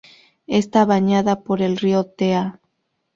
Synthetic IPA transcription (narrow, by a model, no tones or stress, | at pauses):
est̪aβaɲaðapo̞ɾe̞lriot̪ea